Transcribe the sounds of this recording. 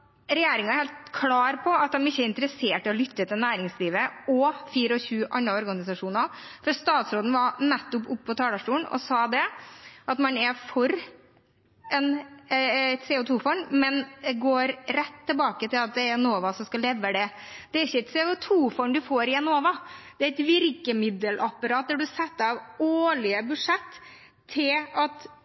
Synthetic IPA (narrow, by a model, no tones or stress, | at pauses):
ɾɛjeːɾɪŋɑæɾheːlt̪kʰlɑːɾpʰɔɑt̪̚d̪ɛmɪçːəɾɪnt̪əɾəseːʈɪɔlʏt̪ːət̪ʰɪlnæːɾɪŋsliːʋəɔfiːɾəɔçʉːʔɑnɾɑɔɾɡɑnɪsɑʂuːnɑfɔɾst̪ɑːt̪sɾoːd̪n̩ʋɑɾnɛt̪ːɔpʊpːɔt̪ʰɑːd̪ɑʂʈuːnɔ̰sɑːd̪ɛʔɑt̪mɑnɛfɔɾ | ɛn | ɛt̪sɛːʊt̪ʰuːfɔɳmɛnd̪ɛɡoːɾɾɛt̪ʰːɪlbɑːkət̪ɪlɑt̪̚d̪ɛæɾɛnoːʋɑsɔmskɑlɛʋːəd̪ɛd̪̥ɛæɾɪçːəɛɪt̪sɛːʊt̪ʰuːfɔɳd̪ʉfoːɾɪɛnoːʋɑd̪̥ɛæɾɪt̪ʋɪɾkəmɪd̪əlʔɑpːɑɾɑːt̪̚d̪ɛɖʉsɛt̪ːɑʋoːɭɪəbʉʂɛt̪ʰː | ɪlɑt̪